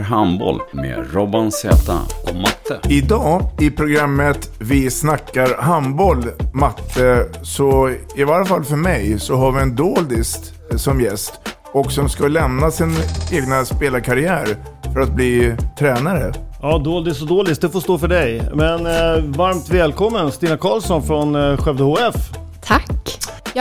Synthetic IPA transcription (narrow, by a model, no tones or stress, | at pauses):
ɦanbɔ̰lmḛːɾɔbansɛ̰ːt̪a̰ɔmat̪ːəɪd̪ɑːɪpʰɾʊɡɾamːət̪vɪsnakːaɾɦambɔlmat̪ʰːəsɔɪvaɾafalːfœɾmɛjsɔɦaɾvɪɛnd̪oːld̪ɪst̪ | sɔmjɛst̪ | ɔksɔmskalɛmnasɪneːɡnaspeːlaɾkʰaɾɪæːɾ | fœɾat̪̚bliːt̪ʰɾɛːnaɾəɑːd̪oːld̪ɪsɔd̪oːlɪst̚d̪ɵfoːʂt̪oːfœɖɛjmɛnvaɾmt̪vɛːlkʰɔmːənst̪iːnakʰɑːlsɔnfɾɔnɧɛvd̪əhoːɛf | t̪ʰakː